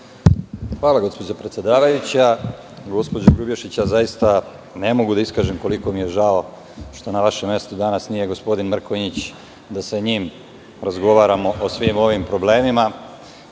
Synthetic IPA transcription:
xʋaːlˠaɡo̞spo̞d͡ʑopɾet̪sje̞d̪aːʋajut͡ɕa | ɡo̞spo̞d͡ʑoɡɾubjeʃit͡ɕjazajist̪a | ne̞mo̞ɡud̪aiskaːʒemko̞liko̞mije̞ʒao̞ | ʃt̪o̞naʋaʃe̞mːje̞st̪ud̪anasnije̞ɡo̞spo̞d̪inmr̩koɲit͡ɕ | d̪asaɲiːm | ɾazɡo̞ʋaːɾamo̞ʔosʋimo̞ʋimpɾo̞ble̞ːmima

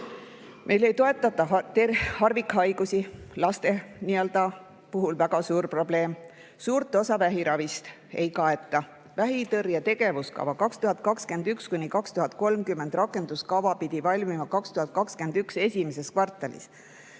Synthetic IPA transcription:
mʔe̞jle̞jt̪o̞e̞t̪ːˑɑt̪ːˑɑt̪ehɑrvikhɑjɡ̥usilɑst̪e̞niø̞ld̪ɑ | puɦulvæɡ̥ɑsuːɾpro̞ble̞ːm | suːɾt̪ːˑo̞sɑvæɦiɾɑvist̪ | e̞jkɑe̞t̪ːˑɑ | væɦit̪ɤrjɑt̪e̞ɡ̥e̞vuskɑ̰vɑkɑkst̪uhɑd̪̚kɑkske̞nd̪ykskunʲikɑkst̪uɦɑd̪̥̚ko̞lmkymːe̞nd̪̥rɑkːe̞nd̪̥uskɑvɑpid̪̥ivɑlʲmimɑkɑkst̪uhɑt̪̚kɑkske̞nd̪ykse̞sʲimes̬eskvɑrt̪ːˑɑlḭs

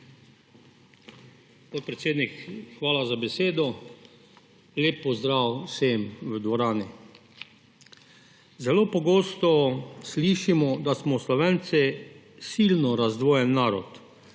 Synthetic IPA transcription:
spoːt̪̚pɾɛt̪seːd̪nikxʋaːlazabɛseːd̪ɔ | leːpːɔzd̪ɾaːwsemʋəd̪ʋɔɾaːni | zɛloːpɔɡoːst̪ɔsliːʃimɔd̪asmɔslɔʋent̪sɛ | silnɔɾazd̪ʋɔːjɛnːaːɾɔ̰t̪

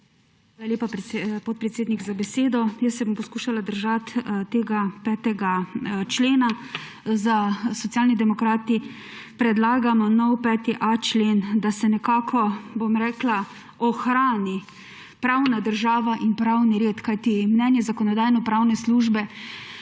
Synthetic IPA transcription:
xʋaːlaljeːpappɔt̪̚pɾɛt̪seːd̪niɡzabɛseːd̪ɔjəssɛbompɔskuːʃalad̪əɾʒat̪t̪eːɡapɛːt̪ɛɡat͡ʃleːna | zasɔt̪sjaːlnid̪ɛmɔkɾaːt̪i | pɾɛd̪laːɡamɔnɔwpɛːt̪iʔat͡ʃleːnd̪asɛnɛkaːkʰɔbomɾɛːkla | ɔxɾaːni | pɾawnad̪əɾʒaːʋaʔinpɾawniɾeːt̪kajt̪imnɛnjɛzakɔnɔd̪aːjnɔpɾawnɛsluːʒbɛ

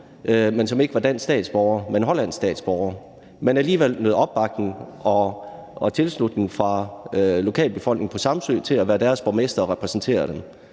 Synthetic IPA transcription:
mensɒ̽me̝ɡ̥əʋɑ̈d̥æn̰sːd̥ɛ̰ːd̥sb̥ɒʊɐmenɦɒ̽læn̰sːd̥ɛ̰ːd̥sb̥ɒʊɐ | menæliːʋel̰nøːð̩ˠɒ̽b̥ːɑ̈ɡ̥̚neŋ̩ɒ̽ | ɒ̽t͡sʰe̝lslud̥ne̝ŋfʁɑ̈lo̝kʰɛ̰ːlb̥e̝fɒ̽l̰ɡ̥ne̝ŋpʰɒ̽sɑ̈msø̰ːt͡sʰe̝læʋæːɐd̥æːɐsb̥ɒmesd̥ɐɒʁɛpʰʁɛsn̩t͡sʰe̝̰ːɐd̥em

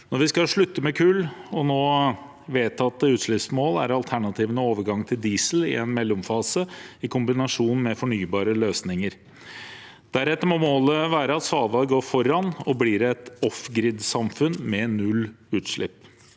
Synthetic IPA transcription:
nɔɾʋɪskɑʂɭʉt̪ːəmɛkʰʉːlɔnoː | ʋeːt̪ʰɑt̪ːəʉːt̪ʂɭɪpsmoːlæ̰ɾɑlt̪ʰæɳɑt̪ʰiːʋənəoːʋəɾɡɑŋt̪ʰɪld̪iːsəl̩ɪ̰ɛnmɛlːʊmfɑːsəɪkʰʊmbɪnɑʂuːnmɛfɔɳyːbɑːɾəløːsnɪŋəɾ | d̪̥æɾɛt̪ːəɾmɔmoːləʋæːɾəɑt̪sɑːʋɑɡoːɾfɔɾɑnɔbliːɾɛt̪ɔfɡɾɪd̪sɑmfʉnmɛnːʉlː | ʉːt̪ʂɭɪ̰pː

